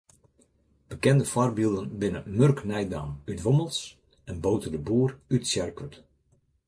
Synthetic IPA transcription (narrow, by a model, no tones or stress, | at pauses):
b̥əkɛndəfɔrbilˠdənbɪnəmørknɛjda̰ːmytʋoməlˠs | ɛnboːtədəbuːrytsjɛrkət